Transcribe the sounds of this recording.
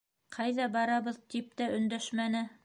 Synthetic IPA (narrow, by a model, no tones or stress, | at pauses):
qʰɑjðɑbɑɾɑβɤ̆ðt̪ip̚t̪æʔɵ̆nd̪æʃmænɘ